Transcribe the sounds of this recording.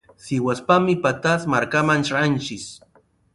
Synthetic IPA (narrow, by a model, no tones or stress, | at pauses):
sɪwaspamɪpat̪asmaɾkamant͡ʃant͡ʃɪs